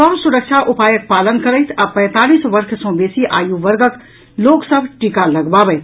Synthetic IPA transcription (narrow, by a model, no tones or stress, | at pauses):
sɔmsʊɾəkʃʰaʔʊpaːjək̚paːlənkəɾəjt̪ʰapɛ̃ːt̪aːliːsʋəɾkʰsɔ̃beːsiʔa̰ːjuʋəɾɡək | loːksəbʱʈikaləɡbaːbɛɪt̪ʰ